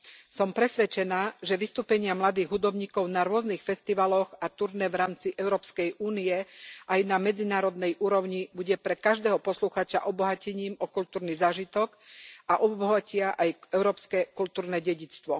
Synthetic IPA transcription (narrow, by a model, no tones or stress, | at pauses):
sɔmpɾɛsʋɛt͡ʃɛnaːʒɛʋist̪uːpɛɲɪamlad̪iːɣɦud̪ɔbɲiːkɔʊnaɾʊɔznixfɛst̪iʋalɔɣat̪uɾnɛʋɾaːmt͡siʔɛʊɾɔːpskɛjʔuːniɛʔajnamɛd͡zinaːɾɔd̪nɛjʔuːɾɔʊɲibuɟɛpɾɛkaʒd̪ɛːɦɔpɔsluxaːt͡ʃa̰ʔɔbɔɦacɛɲiːmɔkult̪uːɾnizaːʒit̪ɔkʔaʔɔbɔɦacɪaʔajɛʊɾɔːpskɛkult̪uːɾnɛɟɛɟit͡st̪ʋɔ